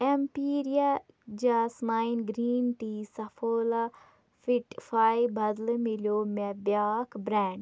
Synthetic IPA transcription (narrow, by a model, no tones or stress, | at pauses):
empiːɾija | d͡ʒaːsmaːinɡɾiːnʈisɐfʰoːla | fiʈfaːjbɐd̪lmiljomɛbjaːkbɾɛ̃ːɳɖ